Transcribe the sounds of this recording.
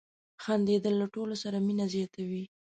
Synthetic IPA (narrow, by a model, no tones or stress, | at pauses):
xand̪ed̪əlːaʈolosaɾaminazjɑt̪ʰawi